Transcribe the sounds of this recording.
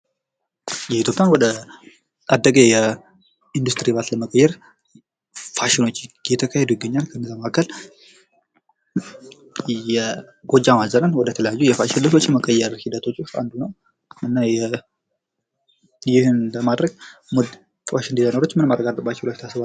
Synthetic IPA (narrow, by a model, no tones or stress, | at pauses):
jɛit̪jo̞pʼjanwɔd̪ə | ad̪ːəɡajɛ | ind̪ust̪ɾiβat̪ləməkʼəjːɛɾ | faʃɪno̞t͡ʃːjɛt̪ʰəkʰahed̪ujɪɡːəɲːalkʰəɨnːəzːaməakʰːəl | jɛ | ɡo̞d͡ʒːamazənənwɔd̪ət̪ʰələjajːujɛfaʃɪnləso̞t͡ʃːɛməkʼəjːɛɾhid̪ət̪ʰo̞t͡ʃːfa̰nd̪unəw | ɨnːajɛ | jɪhɨnləmad̪ɾəɡ̚mod̪ | faʃɪnd̪izanəɾot͡ʃːmɨnmaɾːəɡad̪ʼəbat͡ʃːɛwlat͡ʃt̪ʰasɨbal